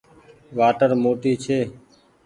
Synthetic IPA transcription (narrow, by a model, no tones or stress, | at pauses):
ʋaːʈəɾmoːʈiːt͡ʃʰeː